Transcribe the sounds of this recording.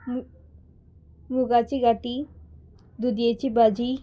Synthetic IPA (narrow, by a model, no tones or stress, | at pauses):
muɡat͡ʃiɡaʈi | d̪ud̪ijet͡ʃibad͡ʒi